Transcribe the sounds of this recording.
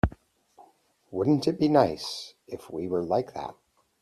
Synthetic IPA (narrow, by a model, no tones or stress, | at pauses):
wʊdⁿn̩tɨt̚b̥inaɪsɪfwiwə˞laɪk̚ðæ̰t̚